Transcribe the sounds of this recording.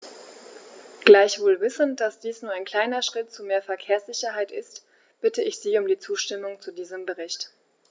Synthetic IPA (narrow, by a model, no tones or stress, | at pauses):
ɡ̥laɪçv̥oːlvɪsən̩td̥asd̥iːsnuːɐaɪnkʰl̥aɪnɐʃʁ̥ɪtt͡sumeːɐfɛɐkʰeːɐsz̥ɪçɐɦaɪtʔɪst | b̥ɪtəɪçz̥iːʊmdiːt͡suːʃtɪmʊŋt͡sudiːzəmbəʁɪçt